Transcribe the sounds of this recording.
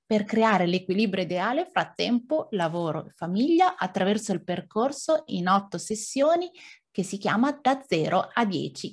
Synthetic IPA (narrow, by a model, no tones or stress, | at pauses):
perkɾeaːɾelekwiliːbɾjoid̪eaːlefɾat̪ːɛmpolavoːɾo̰efamiʎːaʔat̪ːɾavɛrsoilperkorsoinɔt̪ːosesːjoːnikesːikjaːmad̪ad̪zːɛːɾʔoad̪ːjɛ̰ːt͡ʃi